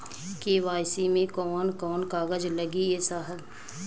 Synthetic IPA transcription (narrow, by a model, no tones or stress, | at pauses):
keʋaːjsimẽkɔːnkɔːnkaːɡəd͡ʒləɡijesaːɦəd̪